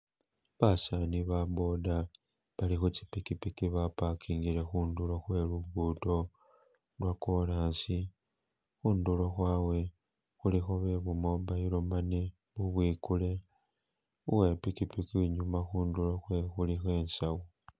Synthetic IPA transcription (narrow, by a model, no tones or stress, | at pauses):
βasaniβabo̞da | βalixut͡si̥pikipikiβapakiːŋɡile̞xuːndulo̞xwe̞luɡuːto̞ | lwakolaːnsi | xuːndulo̞xwaːwe̞ | xulixo̞βe̞βumo̞βajilomane | βuβwiːkule̞ | uwe̞pikipikiiɲumaxuːndulo̞xwe̞xulixe̞ːnsawo